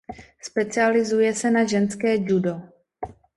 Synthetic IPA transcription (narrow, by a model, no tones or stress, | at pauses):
spɛt͡sɪalɪzujɛsɛnaʒɛnskɛːd͡ʒudo